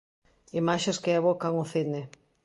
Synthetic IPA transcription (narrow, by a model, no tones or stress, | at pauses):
imaʃeskɪaβokaŋʊθine